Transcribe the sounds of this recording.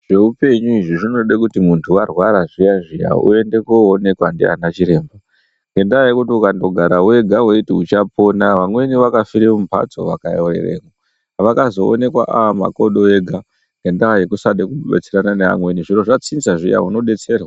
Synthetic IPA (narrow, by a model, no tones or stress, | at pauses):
ʐ̥e̞upe̞ɲuiʐiʐino̞ɗekutimuntʰuarwaɾaʐijaʐija̰ṵe̞nde̞koːne̞kwandḭa̰nat͡ʃiɾe̞ːmbo | ŋɡe̞ndaajekutiukando̞ɡʱaɾawe̞ɡʱaweitiut͡ʃapo̞naʋamwe̞niʋakafiɾemumpʰa̰d͡zo̞̰ʋakajorḛrḛːŋo | ʋakazo̞̰ːne̞kwa̰ʔaʋama̰ko̞ɗoeɡʱa | ŋɡe̞ndaajekusaɗekuɓḛt͡seɾananeʋa̰mwe̞niʐiro̞ʐat͡sinzaʐija̰uno̞ɗe̞t͡se̞ːrwa